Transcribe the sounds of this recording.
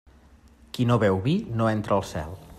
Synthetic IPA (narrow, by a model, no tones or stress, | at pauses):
kinoβɛwβinoɛnt̪ɾəlˠsɛ̰lˠ